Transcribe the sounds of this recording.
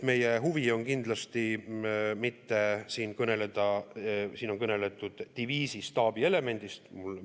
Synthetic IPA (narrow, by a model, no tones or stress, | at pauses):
me̞je̞ɦuvio̞nkind̪lɑst̪i | mit̪ːe̞siːnkɤne̞le̞d̪̥ɑsiːno̞nkɤne̞le̞t̪ːˑud̪̥ːiviːsist̪ɑːb̥ie̞le̞me̞nʲd̪̥ist̪mul